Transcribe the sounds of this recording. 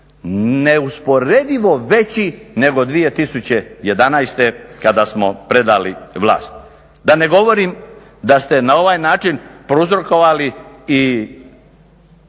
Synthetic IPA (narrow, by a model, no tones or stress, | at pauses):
neuspo̞ɾe̞d̪iʋo̞ʋe̞t͡ɕine̞ɡo̞d̪ʋije̞t̪isut͡ɕe̞je̞d̪anajst̪e̞kad̪asmo̞pɾe̞d̪aliʋlˠa̰ːst̪̚ | d̪ane̞ɡo̞ʋoɾim | d̪ast̪e̞nao̞ʋajnaːt͡ʃinpɾouzɾoko̞ʋalii